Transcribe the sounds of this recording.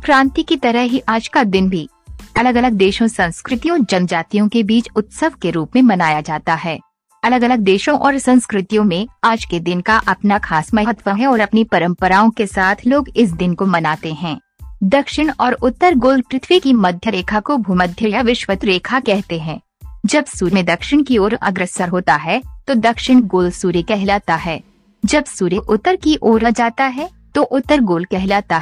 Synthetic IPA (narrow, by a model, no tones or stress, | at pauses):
kɾãːnt̪ikit̪ɐɾəɦɦiʔaːd͡ʒkad̪ɪnbʱi | ɐləɡɐləɡ̚d̪eːʃõsɐ̃nskɾɪt̪ijõd͡ʒɐnd͡ʒaːt̪ijõkebiːt͡ʃʊt̪səʋkeɾuːpmẽmɐnaːjad͡ʒaːt̪aɦɛː | ɐləɡɐləɡ̚d̪eːʃõʔɔːɾsɐ̃nskɾɪt̪ijõmẽaːd͡ʒked̪ɪnkaʔɐpnakʰaːsmaɦt̪ʋəɦɛ̃ɔːɾɐpnipɐɾə̃mpəɾaːõkesaːt̪ʰloːɡɪs̬d̪ɪnkomɐnaːt̪eɦɛ̃ː | d̪ɐkʃɪɽ̃ɔːɾʊt̪ːəɾɡoːlpɾɪt̪ʰwikimɐd̪ʱjəɾeːkʰakobʱuməd̪ʱjəjaʋɪʃʋət̪ɾeːkʰakɛɦt̪eɦɛ̃ː | d͡ʒɐbsuːɾmẽd̪ɐkʃɪɽ̃kioːɾɐ̰ɡɾəsaɾɦoːt̪aɦɛt̪od̪ɐkʃɪɽ̃ɡoːlsuːɾekɛɦlaːt̪aɦɛː | d͡ʒɐbsuːɾeʔʊt̪ːəɾkiʔoːɾad͡ʒaːt̪aɦɛ | t̪oʔʊt̪ːəɾɡoːlkɛɦlaːt̪a